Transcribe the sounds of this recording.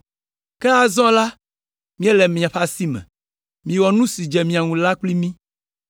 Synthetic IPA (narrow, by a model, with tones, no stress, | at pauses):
kɛ˦a˨zɔ̃˦la˦ | mĩ˦ɛ˦lɛ˨mĩ˨ã˨ɸa˦si˦mɛ̰̃˨ | mĩ˨wɔ˨nũ˦si˨d͡ʒe˨mĩ˨a˨ŋũ˨la˦k͡pli˦mĩ˦